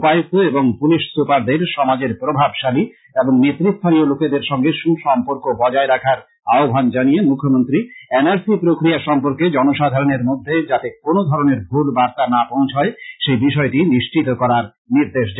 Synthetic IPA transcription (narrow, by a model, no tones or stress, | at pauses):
pajt̪oeboŋpuliʃsupaɾd̪eɾʃɔmad͡ʑeɾpɾobʱabʃali | eboŋnet̪ːɾist̪ʰaɾioloked̪eɾʃɔŋɡeʃuʃɔmpoɾkobɔd͡ʑaeɾakʰaɾ | aobʱand͡ʑanijemukʰːomont̪ɾienaɾsipɾokɾiaʃɔmpoɾked͡ʑɔnoʃad̪ʱaɾoneɾmod̪ʱːed͡ʑat̪ekonod̪ʱɔɾoneɾbʱulbaɾt̪anapõw̃t͡ɕʰaeʃejbiʃɔeʈiniʃt͡ɕit̪okɔɾaɾ | niɾd̪eʃ̬d͡ʑa